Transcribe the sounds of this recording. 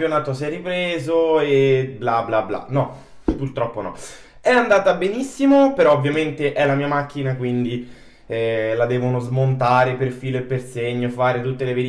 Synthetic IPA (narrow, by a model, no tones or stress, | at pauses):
pjonaːt̪osiɛrːipɾeːzoeblablabla̰nɔ | purt̪ɾɔpːonɔ̰ | ɛand̪aːt̪abenisːimopeɾɔovːjament̪eʔɛlamiːamak̟ːinakwind̪i | ɛlad̪ɛːvonozmont̪aːɾeperfiːloepːerseɲːofaːɾet̪ut̪ːeleveɾi